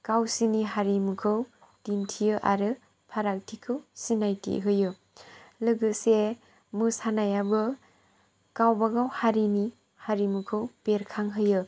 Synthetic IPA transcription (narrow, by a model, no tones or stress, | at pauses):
kawsiniɦaɾimukʰɯw | d̥intʰijɯʔaɾɯ | pʰaɾak̚tʰikʰɯwsinajtḭɦɯjɯ | lɯɡɯse | mɯsanajabɯ | kawbaɡawhaɾini | haɾimukʰɯwpeɾkʰaŋɦɯjɯ